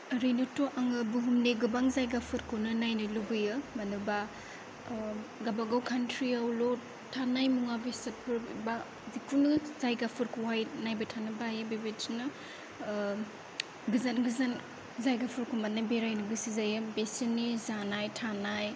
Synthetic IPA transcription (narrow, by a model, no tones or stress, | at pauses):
ɾɯjnɐtoʔaŋɯbuɦumneɡɯbaŋzajɡapʰɯɾkʰɯnɯnajnɯluɡɯjɯmɐnɯba | ɡabaɡawkʰantʰɾiawlo | tʰanajmuŋabisɐt̚pʰɯɾbba | zikʰunɯzajɡapʰɯɾkʰuwajnajbɐtʰanɯbajɯbebetinɯ | ɡɯzanɡɯzan | zajɡapʰɯɾkʰumanajbeɾajnɯɡɯsizajɯbesinizanajtʰanaj